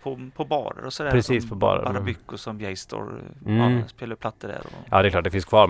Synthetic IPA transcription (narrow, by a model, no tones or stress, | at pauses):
pʰɔpʰɔbɑːɾə̰ɾɔsɔd̪æpɾɛsiːspʰɔbɑ̰ːɾə̰ɾaɾbʏkːʊsɔmjɛjst̪ɔ̰ɾ | speːlaɾpʰlat̪ːəɖæ̰ɾɔjʔɑːd̪ɛklɑːʈ̚dɛfɪnskʰvɑːɾ